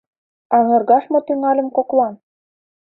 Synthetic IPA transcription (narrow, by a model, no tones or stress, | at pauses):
ɑŋɤ̆rɣɑʃmot̪yŋɑlʲə̆mkoklɑn